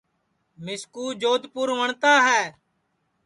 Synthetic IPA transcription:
mɪskuːd͡ʒoːd̪ʱpʊɾʋəɳt̪aːɦɛː

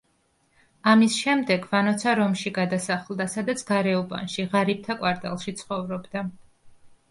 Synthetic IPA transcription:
amisʃɛmd̪ɛɡvanɔt̪sʰaɾɔmʃiɡad̪asaχlˠd̪asad̪at̪sʰɡ̥aɾɛubʼa̰nʃiʁaɾip̚t̪ʰakʼwaɾt̪ʼa̰lˠʃit̪sʰχɔvɾɔbd̪a

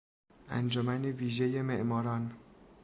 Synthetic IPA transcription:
ʔæ̰nd͡ʒomæneviːʒejemeʔmɒːɾɒːn

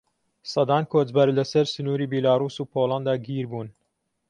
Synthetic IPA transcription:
sɑd̪ɑːnkʰoːd͡ʒbɐɾlɐsɐɾsɨnuːɾiːbilaːɾuːsuːpʰoːlˠɑnd̪aːɡiːɾbuːn

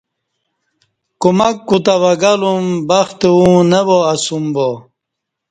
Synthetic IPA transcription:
kumakːut̪avaɡalumbaxt̪eũneboasumbo

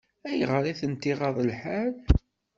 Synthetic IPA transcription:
æjəʁɾˤiθənt̪iʁɑðˤəlħæl

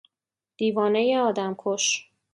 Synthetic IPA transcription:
d̪̥iːvɒːne̞jeɒːd̪æmkʰoʃ

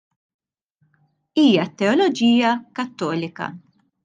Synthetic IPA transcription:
iːjɐt̪ːɛɔlɔd͡ʒiːjɐkɐt̪ːɔːlɪkɐ̰

